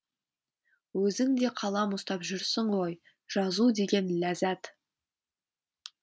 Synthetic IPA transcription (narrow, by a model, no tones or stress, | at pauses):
wɵzɪŋd̪e̞qʰɑlˠɑmʊst̪ɑpʒʏɾsɪɴwo̞j | ʒ̥ɑzud̪e̞ɡʲe̞nlæzæt̪